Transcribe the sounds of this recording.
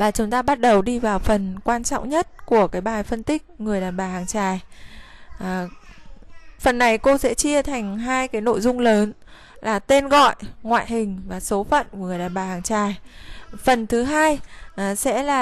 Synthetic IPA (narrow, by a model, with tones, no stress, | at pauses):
vaː˨˩t͡ɕʊ˨˦ŋ͡mt̪aː˧ɓa˦˥t̚ɗə˨˩wɗi˧vaː˨˩wfə˨˩nkwaː˧nt͡ɕɔ̰˧˨wŋ͡mɲə˦˥t̚ku˧˩əkaː˨˦jɓaː˨˩jfə˧nt̪ï˦˥k̟̚ŋɨ˨˩əjɗaː˨˩nɓaː˨˩haː˨˩ŋt͡ɕaː˨˩j | fə˨˩nːa˨˩jko˧sɛ̰˧˥t͡ɕi˧ət̪ʰa˨˩jŋ̟ɦaː˧jkaː˨˦jno̰˧˨jzʊ˧ŋ͡mləː˨˦n | laː˨˩t̪e˧nɣɔ̰˧˨jŋwa̰ː˧˨jɦï˨˩ŋ̟vaː˨˩so˨˦fə̰˧˨nku˧˩˨ŋɨ˨˩əjɗaː˨˩nɓaː˨˩haː˨˩ŋt͡ɕaː˨˩jfə˨˩nt̪ʰɨ˨˦ɦaː˧jsɛ̰˧˥laː˨˩